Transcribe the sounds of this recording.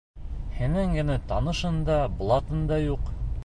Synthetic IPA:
hænæŋɡɘ̆næt̪ɑnɤ̆ʃɤnd̪ɑblˠɑt̪ɤnd̪ɑjuq

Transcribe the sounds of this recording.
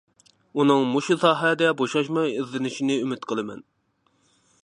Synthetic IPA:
unɨŋmuʃusɑːɦɛd̪ɛboʃɑʃmɑjizlɪnɪʃinɪymɪt̪qʰəlˠɨmɛ̰n

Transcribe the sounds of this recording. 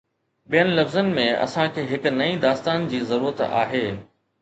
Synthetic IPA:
ɓijənɪlɐfzənɪ̆mẽɐ̰sãkʰeːɦɪkʊnɐĩd̪aːst̪aːnd͡ʑiːzɐɾuːɾət̪a̰ːɦeː

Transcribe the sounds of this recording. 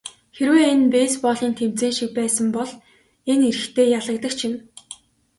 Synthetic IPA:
xeɾweːenpeːspɔɮiːnt̪ʰemt͡seːnʃik̚pæːsə̆mpɔɮ | eneɾɘ̆xt̪ʰeːjaɮə̆k̚t̪ə̆k̚t͡ɕʰin

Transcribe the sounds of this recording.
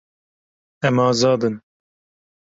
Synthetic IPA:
ɛmɑːzɑːd̪ɨn

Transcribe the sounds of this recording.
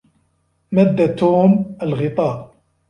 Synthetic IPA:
mæd̪ːat̪ːuməlɣɪt̪ˤɑː

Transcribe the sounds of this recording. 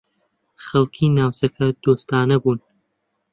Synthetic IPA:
χɐlˠkʰiːnaːwt͡sɐkʰɐd̪̥oːst̪aːnɐbuːn

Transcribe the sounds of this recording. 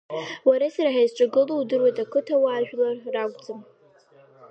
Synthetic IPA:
waɾasaɾaħajzʈ͡ʂʷʼaɡɨluwdɨrwajtʼakʷʰɨtʰawaːʒᶣlarːakʷʼd͡zɨm

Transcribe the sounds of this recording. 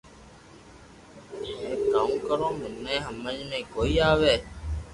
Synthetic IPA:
ẽːkaːũːkəɾõːmɪnːẽːɦəməd͡ʒmẽːkoːiːaːʋeː

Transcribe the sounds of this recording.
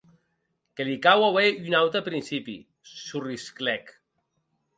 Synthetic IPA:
kelikawaweynawt̪apɾinsipḭ | surisklɛk

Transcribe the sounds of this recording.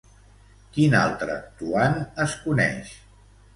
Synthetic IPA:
kina̰lˠt̪ɾəːk̚t̪uanəskunɛ̰ʃ

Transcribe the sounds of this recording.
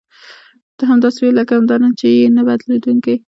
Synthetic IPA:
d̪̥əɦamd̪ɑsewelakaamd̪ɑnant͡ʃejenabad̪led̪uŋke

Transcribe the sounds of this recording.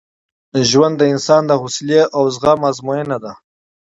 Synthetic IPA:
ʒwand̪ːəɪnsɑnd̪əhusleʔawzɣamazmojenad̪a

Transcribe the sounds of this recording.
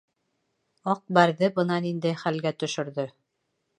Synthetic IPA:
ɑq̚bæɾðɘbɤ̆nɑnind̪æjχælɡæt̪ɵ̆ʃɵ̆ɾðɵ

